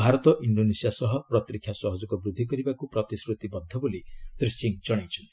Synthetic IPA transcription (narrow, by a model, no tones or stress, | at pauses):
bʱaɾɔt̪ɔʔiɳɖonesijasɔɦɔpɾɔt̪ɾikʰːjasɔɦɔd͡ʒɔkɔbɾud̪ʱːikɔɾibakupɾɔt̪iskɾut̪ibɔd̪ʱːɔbolisɾisiŋd͡ʒɔɽ̃ajt͡ʃʰɔnt̪